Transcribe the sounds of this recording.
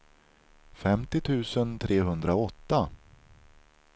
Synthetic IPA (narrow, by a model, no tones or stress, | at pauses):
fɛmt̪ɪt̪ʰʉ̟ːsənt̪ʰɾʔeːɦɵnd̪ɾaɔt̪ːa